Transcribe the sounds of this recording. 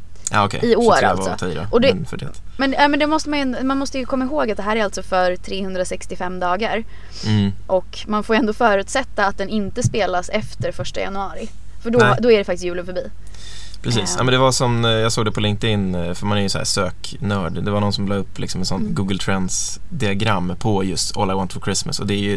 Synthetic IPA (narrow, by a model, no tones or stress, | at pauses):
ʔa̰ːɔkʰɛ̰ɪoːɾa̰lsɔiɾɔ̰ɔd̪ɛnfœɖɛ̰t̪ | mɛnɛmɛnd̪ɛmɔst̪əmajʏɛnd̪ɔmanmɔst̪əjɵkʰɔmːaɪɦoːɡat̪̚d̪ɛɦæːɾæɾalt̪sɔfœɾt̪ʰɾeːhɵnd̪ɾasɛkst̪ɪfɛmːd̪ɑːɡaɾ | ʔɔk | manfoːjɛnd̪oːfœːɾʉ̟ːt̪sɛt̪ːaːt̪̚d̪ɛnɪnt̪əspeːlasɛft̪əɾfœʂʈa̰ja̰nɵɑːɾɪ | fœɖɔd̪ɔæɖɛfakt̪ɪs̬tjʉ̟ːlənfœɾbiː | pʰɾɛsiːsna̰jmɛnd̪ɛvasɔnjɑːɡsoːɡd̪ɛpʰɔlɪŋk̚t̪ɪnfœɾmanæɾjɵsɔhæ̰ːʂøːk | nœːɖd̪ɛvanɔnsɔmlɑːɡɵpːlɪ̰ksɔmɛnsɔnːɡuːɡəlt̪ʰɾɛnsd̪ɪaɡɾamːpʰɔjɵst̪ʰɔ̰lːawant̪fɔɾkʰɾɪsmə̰sɔd̪ɛæjɵ